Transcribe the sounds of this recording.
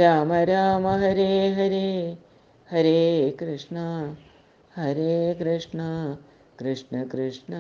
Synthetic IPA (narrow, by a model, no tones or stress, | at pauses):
ɾaːmɐɾaːmɐɦɐɾeːɦɐɾeː | hɐɾeːkɾɨʂɳɐ | ɦɐɾeːkɾɪʂɳɐ | kɾɨʂɳɐkɾɪʂɳɐ